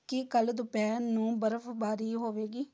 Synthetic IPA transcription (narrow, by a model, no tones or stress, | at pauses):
kɪkəld̪ʊpɛːnũːbəɾəpʰbaːɾiːɦoːʋeːɡiː